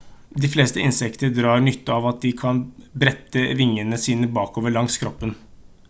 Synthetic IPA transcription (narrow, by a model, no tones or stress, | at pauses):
d̪ɪfleːst̪əɪnsɛkt̪əd̪ɾɑːɾɳʏt̪ːəɑʋɑt̪̚d̪ɪkʰɑnbɾɛt̪ːəʋɪŋːənəsiːnəbɑːkoːʋəɭɑŋskʰɾɔpːən